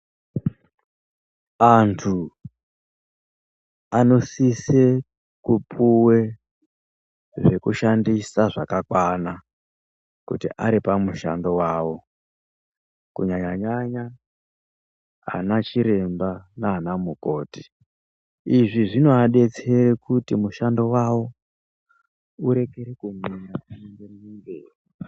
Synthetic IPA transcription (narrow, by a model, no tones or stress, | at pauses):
antʰu | ano̞sise | kupʰuwe̞ | ʐe̞kuʃandisaʐakakwana | kṵtḭʔaɾipamuʃa̰ndo̞waːwo̞ | kuɲaɲaɲaɲa | a̰nat͡ʃiɾe̞mbanaːnamuko̞ːti | iʐiʐino̞aɗe̞t͡se̞ɾekutimuʃando̞wawo̞ | uɾe̞ke̞ɾekumeɲaanendeniŋɡeːri